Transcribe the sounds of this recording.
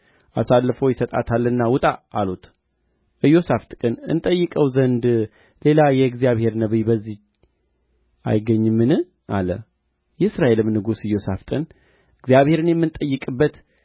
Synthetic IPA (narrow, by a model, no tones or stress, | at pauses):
ʔasalːɨfowjɪsət̪ʼa̰t̪ʰalːɨnːawʊt̪ʼaːlut̪ʰ | ʔɨjːo̞saft̪ʼkʼɨnɨ̰nt̪ʼəjːɨkʼəwzənd̪ | le̞lajɛɨɡzijaβhe̞ɾnəβibəzːi | ʔa̰jɪɡəɲːɨmːɨnɨ | ʔalə | jɛsɾaʔe̞lɨmnɨɡusɨjo̞saft̪ʼɨn | ɨɡzijaβhe̞ɾɨnjɛmːɨnt̪ʼəjːɨkʼɨbːət̪